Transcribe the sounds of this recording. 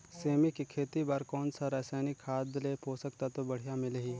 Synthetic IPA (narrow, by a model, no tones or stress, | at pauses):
seːmikikʰeːt̪ibaːɾkɔːnsaɾɛsaːnikʰːaːd̪lepoːsəkt̪at̪obɐɽ̤ijamɪlɦiː